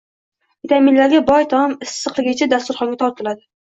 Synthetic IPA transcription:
t̪ʰamɪnlaɾɡʲabɒjt̪ʰɒmɪssɨqlˠɪɡʲɪt͡ʃʰad̪ast̪ʊɾχɒŋɡʲat̪ʰɒɾt̪̚ʰɨlˠad̪ɪ

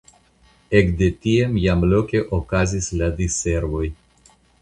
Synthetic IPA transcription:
e̞kde̞tie̞mjamlo̞ke̞ʔokazisladise̞ɾvo̞j

